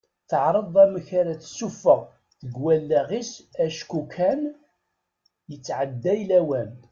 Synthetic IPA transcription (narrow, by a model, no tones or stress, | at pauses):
θəʕɾˤəðˤæməçaɾæθsːufəʁ | θəɡwælːæʁisæʃkukʰːæn | jət͡sːʕəd̪ːæjlæwæn